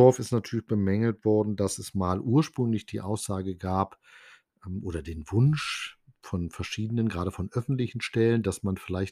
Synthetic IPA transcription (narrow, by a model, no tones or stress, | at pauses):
ɔɐfɪstnatʰyːɐlɪçb̥əmɛŋl̩tv̥ɔɐdn̩dasɛsmaːlʔuːɐʃpʁ̥ʏŋlɪçd̥iːʔaʊsz̥aːɡəɡaːp | mʔoːɾɐdeːnvʊnʃ | fɔnfɛɐʃiːdənənɡʁaːɾəfɔnʔœfn̩tlɪçn̩ʃtɛləndasmanfɪlaɪçt